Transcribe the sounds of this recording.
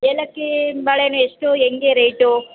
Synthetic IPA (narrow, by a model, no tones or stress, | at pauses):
elɐkːebaɭenueʂʈueŋɡeɾejʈu